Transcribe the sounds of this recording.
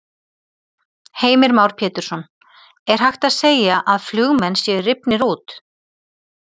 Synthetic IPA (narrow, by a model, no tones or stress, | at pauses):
heːjmɪɾmaːwɾ̥pʰɛːt̪ʏɾsɔn | ɛɾ̥ɦajxt̪aðseːjaʔaðflʏɣmɛnːsjɛrɪpnɪɾuːt̪